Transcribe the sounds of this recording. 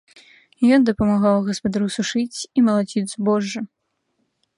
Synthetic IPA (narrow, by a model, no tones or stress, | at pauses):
jɔnd̪ɐpɐmaɣawɣɐspɐd̪aɾusuʂɨt͡sʲimɐlˠad͡zʲid̪zbɔʐːɐ